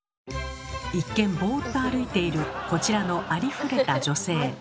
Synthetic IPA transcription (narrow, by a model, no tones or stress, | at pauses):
ikːẽ̞mbo̞ːt̪ːoaɾɯ̟it̪e̞iɾɯ̟ko̞t͡ɕiɾano̞ʔaɾʲiɸɯ̟ɾe̞t̪ad͡ʑo̞se̞ː